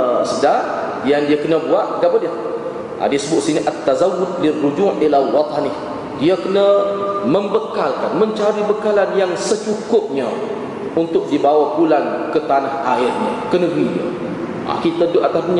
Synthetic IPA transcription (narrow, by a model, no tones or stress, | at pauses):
sədaʔ | jandiakənəbuaʔɡaʔbədia | ʔa̰disəbʊʔsiniʔat̪ːazawʊd̪̚lirːud͡ʒuʔilawɑt̪ɑnɪh | diakənəmə̃mbəkalkanmə̃ɲt͡ʃaɾibəkalanjaŋsət͡ʃukʊp̚ɲa | unt̪ʊk̚dibawabulankət̪anahaɪrɲakənə̃ɡɾiɲa̰ | ʔa̰kit̪ədoʔat̪apɲ